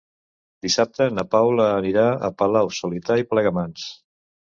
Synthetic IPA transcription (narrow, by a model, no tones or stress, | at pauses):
d̪isap̚t̪ənapawləːniɾaə̰pəlawsulit̪aiplɛɣəmans